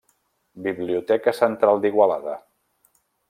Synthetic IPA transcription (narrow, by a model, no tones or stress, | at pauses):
biβliut̪ɛkəsənt̪ɾalˠd̪iɣwalaðə